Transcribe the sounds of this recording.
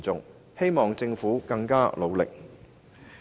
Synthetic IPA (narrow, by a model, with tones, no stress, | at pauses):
t͡sʊ˨ŋ | he˥jmɔː˨ŋt͡sɪ˧ŋfuː˨˥kɐ˧ŋkaː˥lo˨˧wlɪ̰˨k̚